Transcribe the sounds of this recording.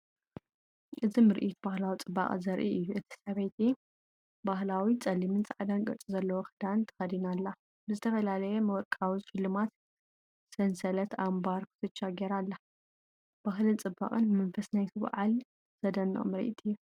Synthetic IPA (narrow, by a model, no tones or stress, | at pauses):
ʔɨzimɨɾʔit̪bahlawit͡sʼɨbːa̰χʼɨzɐɾʔiʔɨjːuʔɨt̪ʰi̥sɐβɐjt̪ʰi | bahlawit͡sʼɐlimɨnt͡sʼaʕd̪anɡʼɐ̰t͡sʼizɐlːɐwoxɨd̪ant̪ʰɐ̥xɐd̪inalːa | bɨzɨt̪ʰɐfɐlalɐjɛmɐwɔɾkʼawiʃɨlːɨmat̪ | sɐnsɐlɐt̪ʰambaɾkʰɨ̥t̪ʰɨt͡ʃːaɡeɾalːa | b̥aɦlɨnt͡sʼɨbːa̰kʼɨnmɐnfɐsnajt̪ʰɨβ̰ʕa̰l | z̥ɐd̪ɐnːo̰mɨɾʔḭt̪ʰɨjːu